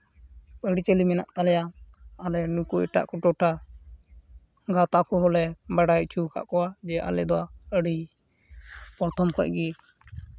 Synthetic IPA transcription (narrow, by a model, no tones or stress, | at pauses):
bəɽit͡ʃəlimɛna̰ʔt̪alɛjaalɛnukuɛʈa̰ʔkɔʈɔʈa | ɡat̪akʰɔɦɔlɛbaɽajt͡ʃʰukʰa̰ʔkɔwad͡ʒɛʔa̰lɛd̪ɔwaəɽi | pɔɾt̪ʰɔmkɔc̚ɡi